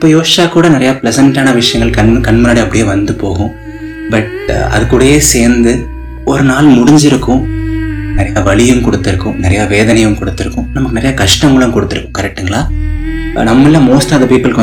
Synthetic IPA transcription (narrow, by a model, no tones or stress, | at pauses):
ɪpːoːjoːsaːkuːɽɐnɪɾɐjaːplɛsɐɳʈaːnɐʋɪʂɐjɐŋɡɐɭkɐnkɐɳmʊnaːɽiɐpːɐɽɪjeːʋɐnd̪ɯpoːɣʊ̃ | bɐʈ̚ | ɐ̰ðɯkːuːɽɐjeːseːɾnd̪ɯ | ɔɾɯnaːlmʊɽɪɲd͡ʒɪɾɯkːʊ̃ | nɪɾɐjaːʋɐɭɪjɯmkɔɽɯt̪ːɪɾɯkːʊ̰̃nɪɾɐjaːʋeːðɐnɐjɯmkɔɽɯt̪ːɪɾɯkːɯ̃nɐmɐkːɯnɪɾɐjaːkɐʂʈɐŋɡɐɭɯ̃mkɔɽɯt̪ːɪɾɯkːʊ̃kɐɾɛk̚ʈːɯŋɡɐɭaː | nɐmːɐlːɐ̃moːsʈaːðɐpiːpːɐlk